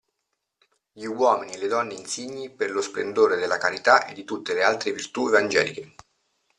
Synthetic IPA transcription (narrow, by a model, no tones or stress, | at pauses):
ʎiwɔːminieled̪ɔnːeinsiɲːiperlosplend̪oːɾed̪elːakaɾit̪aʔed̪ːit̪ut̪ːelealt̪ɾevirt̪uevand͡ʒɛːlike